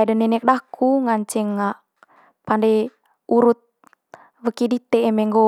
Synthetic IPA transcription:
dənɛnɛk̚dakuŋaɲt͡ʃɛŋːa | pandɛ | uɾut̪̚ | wəkidit̪ɛːmɛŋɡo

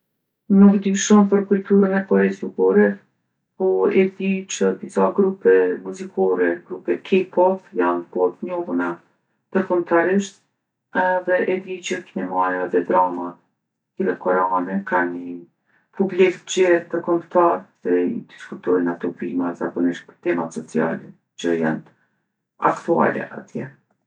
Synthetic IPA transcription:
nukd̪yʃɔmpəɾkult̪uɾənɛkɔɾɛzubɔɾɛ | pɔɛd̪it͡ʃəd̪isaɡɾupɛmuzikʰɔɾɛɡɾupɛkʰipɔpjanbɔt̪̚ɲɔvuna | d̪̥əɾkɔmt̪aɾiʃt̪̚ | ɛðɛʔɛd̪it͡ʃəknɛmajaɛðɛd̪ɾama | kilɛkɔɾɛanɛkani | publik̪d͡ʑɛd̪əɾkɔmt̪aɾðɛḭd̪iskut̪ɔnat̪ubimazakɔniʃt̪̚pə̥ɾt̪ɛmat̪sɔt͡sia̰lɛ | t͡ʃəjɛ̰nt̪ | a̰kt̪ua̰lɛ̰ʔa̰t̪jɛ

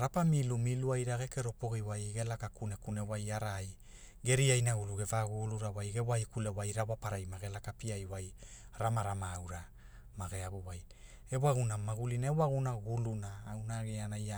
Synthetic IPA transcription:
ɾapamilumiluajɾaɡe̞keɾo̞po̞ɣiwajɡe̞lakakunekunewajaɾaj | ɡe̞ɾiajnaɡuluɡe̞vaɡuluɾawajɡewajkulewajɾawapaɾajmaɡe̞lakapiajwaj | ɾamaɾamaːwɾa | maɡeabuwaj | ewaɣunamaɡulinaewaɣunaɡulunaːwnaɡeanaja

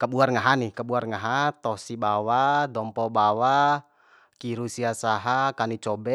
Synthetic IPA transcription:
kəbuarŋaɦanikəbuarŋaɦat̪ɔsibawadɔmpɔbawa | kiɾusiasaɦakanit͡ʃɔbɛ

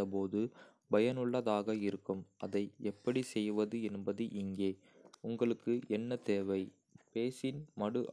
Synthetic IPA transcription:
ɐpoːðɯ | bɐjɐnɯɭːɐðaːɣɐɪɾɯkːɯmʔɐ̰ðɐɪɛpːɐɽisɛjʋɐðɯɛnbɐðɯʔɪŋɡeː | ʊŋɡɐɭɯkːɯʔɛnːɐt̪eːʋɐɪ | peːsɪnmɐɽɯʔ

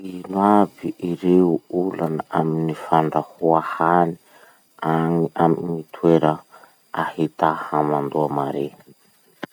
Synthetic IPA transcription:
inwaviʔiɾeuulanəaminifaɳɖ͡ʐahuahani̥ | aŋiamŋit̪ʰweɾə | ahit̪ahamand̪uamaɾe

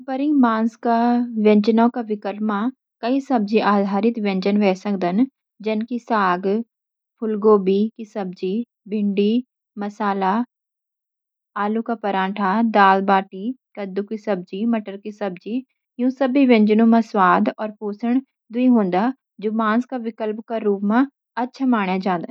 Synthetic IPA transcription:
pəɾĩmãːnskaʋɛ̃ɲd͡ʒənõkaʋɪkəɾma | kɐisɐb̚d͡ʒiʔaːd̪ʱaːɾɪt̪ʋɛ̃ɲd͡ʒənʋɛːsɐkd̪ən | d͡ʒɐnkisaːɡ | pʰʊlɡoːbikisɐb̚d͡ʒi | bʱɪ̃ɳɖi | mɐsaːla | aːlukaːpəɾãːʈʰaːd̪aːlbaːʈiːkəd̪ukisɐb̚d͡ʒiːməʈəɾkisəbd͡ʒiː | jũːsəbiʋẽɲd͡ʒənũːmãswaːd̪ɔːɾpoːsəɽ | d̪ʊĩɦõːnd̪aː | d͡ʒʊmãːnskaʋɪkəlpkaɾuːpmã | ɐtːʃʰamaːɳjad͡ʒãːnd̪ə

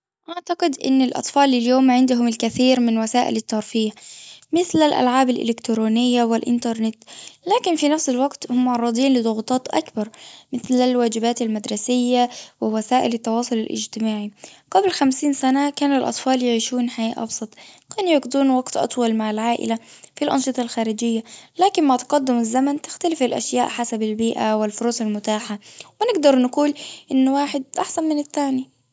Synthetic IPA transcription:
ʔaʕt̪aqɪd̪ʔɪ̰nːɪlʔɑ̰t̪ˤfɑːlɪljoːmʕɪnd̪ʊɦʊmɪlkaθiːɾmɪnwasaːʔɪ̰lɪt̪ːɑɾˤfiːħmɪθlalʔa̰lʕaːbalʔɪ̰lɪkt̪ɾoːnɪjːawɪlʔɪ̰nt̪ɑɾˤnɪt̪laːkɪnfinafsɪlwaɡt̪hʊmːʊʕɑrˤːɑd̪ˤiːnlɪd̪ˤʊɣt̪ˤɑːt̪ʔa̰kbɑɾˤmɪθlalwaːd͡ʒɪbaːt̪almad̪ɾˤɑsɪjːawɪwasaːʔɪlɪt̪ːɑwɑːsˤʊlɪlʔɪ̰d͡ʒt̪ɪmaːʕiɡablxamsiːnsanakaːnɪlʔɑ̰t̪ˤfɑːljɪʕiːʃuːnħaja̰ːʔɑ̰bsˤɑt̪ˤkaːnjʊɡd̪uːnwɑɡt̪ʔɑ̰t̪ˤwɑlmaʕalʕaːʔɪ̰lafilʔɑ̰nʃɨt̪ˤɑlxaːɾɪd͡ʒɪjːalaːkɪmmaʕt̪ʊ̥qɑd̪ːɪmɪzːamant̪ɪxt̪alɪfalʔa̰ʃjaːʔħasabalbiːʔawɪlfʊɾuːsalmʊt̪aːħawɪnɪɡd̪ɑɾˤnaquːlʔɪnːwaːħɪd̪̚ʔaħsanmɪnɪt̪ːaːni

